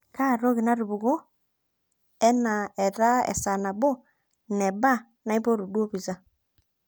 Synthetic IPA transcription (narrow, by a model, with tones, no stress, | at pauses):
ka˦˨ɾo˦ɣi˨na˦ɾu˨βu˨ɣo˦ | ɛ˦na˨ɛ˨ða˦ɛ̰˨sa˨na˨bo˦ | nɛ˨ba˦ | na˦i˦bo˦ɾu˨ɗu˦o˦βi˨za˦